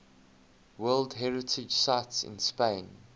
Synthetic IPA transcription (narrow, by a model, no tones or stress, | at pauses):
wɜːldɦɛɹɪtʰɪd͡ʒsaɪtsɪ̰̃nspẽn